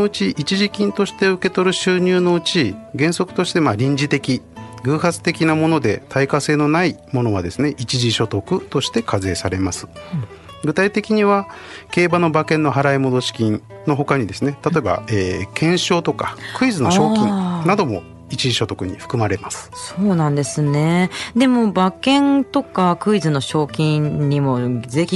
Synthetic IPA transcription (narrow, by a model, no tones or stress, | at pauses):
noɯ̟t͡ɕiʔit͡ɕiʑikʲĩnt̪o̞ɕi̥t̪e̞ɯ̟ke̞t̪o̞ɾɯ̟ɕɨːɲ̟ɨːno̞ɯ̟t͡ɕiɡẽ̞ɰ̃so̞kɯ̟̥t̪o̞ɕi̥t̪e̞maɾʲĩɲd͡ʑit̪e̞kʲiɡɯ̟ːɦat͡sɨ̥t̪e̞kʲinamo̞no̞d̪e̞t̪ʰaikase̞ːno̞naimo̞no̞βad̪e̞sɨne̞ʔit͡ɕiʑiɕo̞t̪o̞kɯ̟t̪o̞ɕi̥t̪e̞kʰaze̞ːsaɾe̞masɨ̥ | ɡɯ̟t̪ait̪e̞kʲiɲ̟iβake̞ːbano̞bakẽ̞nːo̞ɦaɾaimo̞d̪o̞ɕi̥kʲĩn | no̞ɦo̞kaɲ̟id̪e̞sɨne̞t̪at̪o̞e̞ba̰eːkʰẽ̞ɰ̃ɕo̞ːt̪o̞kakɯ̟izɨnoɕo̞ːkĩnnad̪o̞mo̞ | it͡ɕiʑiɕo̞t̪o̞kɯ̟ɲ̟ḭɸɯ̥kɯ̟maɾe̞masɨ̥soːnãnd̪e̞sɨne̞d̪e̞mo̞bakẽ̞nt̪o̞kakɯ̟izɨno̞ɕo̞ːkʲĩɲɲimo̞ze̞çʲi